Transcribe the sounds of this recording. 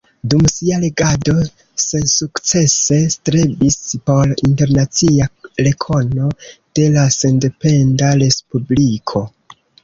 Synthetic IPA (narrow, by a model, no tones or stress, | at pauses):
dumsiale̞ɡado̞ | se̞nsukt͡se̞se̞stɾebispo̞linte̞ɾnat͡siale̞kʰo̞no̞d̥e̞lase̞nde̞pe̞ndaɾe̞spublikʰo̞